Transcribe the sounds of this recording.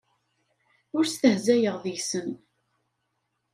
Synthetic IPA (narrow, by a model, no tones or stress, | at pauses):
ʊɾst̪əhzæjəʁðijsən